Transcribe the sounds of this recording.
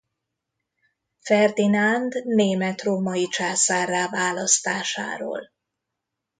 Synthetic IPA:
fɛrd̪inand̪neːmɛt̪romɒit͡ʃaːsaːraːvaːlɒst̪aːʃa̰ːɾo̰ːl

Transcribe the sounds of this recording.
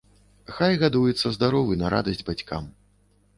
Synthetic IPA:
xajɣad̪ujɛt̪sːɐzd̪aɾɔvɨnɐɾʔa̰d̪ɐsʲd͡zʲbat͡sʲka̰m

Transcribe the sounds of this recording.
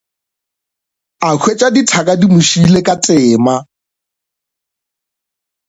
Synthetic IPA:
akʰwet͡ʃʼaditʰakʼadimʊʃilekʼat͡sʼɪːma

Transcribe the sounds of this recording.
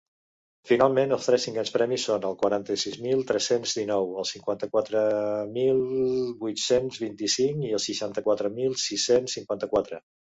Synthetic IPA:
finalˠmenəlˠst̪ɾɛsːiŋɡɛnspɾɛmisːonəlˠkwəɾant̪əsizmilˠt̪ɾɛsenzðinɔwəlˠsiŋkwant̪əkwat̪ɾəmilˠβujt̪senzβint̪isiŋiəlˠsəʃant̪əkwat̪ɾəmilˠsisensːiŋkwant̪əkwat̪ɾə

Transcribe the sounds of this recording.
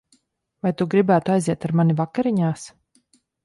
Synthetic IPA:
vajt̪uɡɾibæːt̪uajziɛt̪aɾmanivakaɾiɲaːs

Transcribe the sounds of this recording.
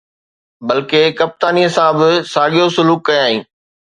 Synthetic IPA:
bɐlkekɐp̚t̪aːniɦɪsãbɪsaːɠijosʊluːkːɐjaːĩː

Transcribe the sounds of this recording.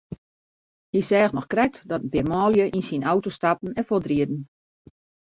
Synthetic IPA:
hisɛːxnɔxkrɛk̚tdɔtəbɪmɔːljəʔinsinawtostapn̩ɛnfodriədn̩

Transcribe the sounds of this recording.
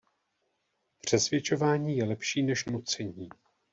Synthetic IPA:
pr̝̥ɛsvjɛt͡ʃo̞vaːɲiːjɛlɛpʃiːnɛʃnut͡sɛɲiː

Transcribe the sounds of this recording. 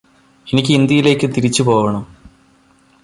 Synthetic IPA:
e̞nikʲːɨind̪jɐjile̞ːkʲːɨt̪iɾit͡ɕːɨpo̞ːʋɐɳɐm

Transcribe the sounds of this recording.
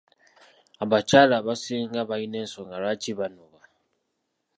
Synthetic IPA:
abat͡ʃalaβasiŋɡaβainɛnsɔŋɡaɾat͡ʃiβanɔβa

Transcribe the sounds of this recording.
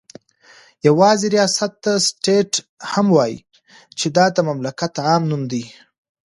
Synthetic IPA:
jawɑzeɾijɑsat̪̚ːasʈeʈ | hamwɑjḭ | t͡ʃed̪ɑd̪əmamlakat̪ʕɑmnumd̪i

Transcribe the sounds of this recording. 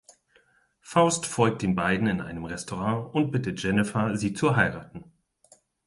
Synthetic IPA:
faʊstfɔlk̚td̥eːnbaɪdn̩ɪnʔa̰ɪnəmʁɛstʰoʁɑ̃ŋʊnt̚b̥ɪtət̚ʒ̥ɛnɪfaziːt͡suɦaɪʁaːtn̩

